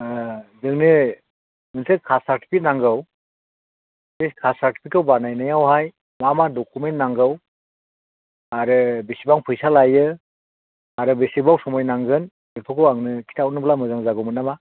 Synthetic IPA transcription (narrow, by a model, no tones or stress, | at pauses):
zɯŋnɯ | mɯnsɯkʰasaɾti̥pʰik̚naŋɡɯw | beskʰasaɾti̥pʰikawbanajnajawhaj | mamadɔkʰumentnaŋɡɯw | aɾɯbesibaŋpʰɯjsalajɯ | aɾɯbesibawsɔmɔjnaŋɡɯn | bɯɾpʰɯkɯwaŋnɯkʰi̥tʰawnɯblamɯzaŋzaɡɯmɯnama